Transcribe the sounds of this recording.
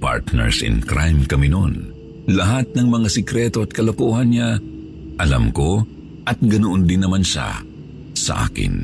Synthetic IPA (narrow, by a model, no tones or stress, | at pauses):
pa̰ɹt̪nɛ̰ɹsɪ̰nkɾʔajmkɐmɪnon | lɐɦat̪̚nɐŋmɐŋasɛkɾɛt̪oɐt̪̚kɐlokoːɦɐnɲa | ʔɐla̰mko̞ | ʔɐt̪̚ɡɐnoʔond̪ɪnːɐmanʃa̰ | sɐ̰ʔa̰ːkɪ̰n